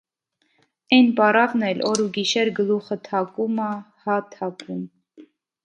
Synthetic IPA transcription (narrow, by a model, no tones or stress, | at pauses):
ɛnpɑrɑvnɛlʔɔɾuɡiʃɛɾɡəluχət̪ʰɑkumɑ | hɑt̪ʰɑkum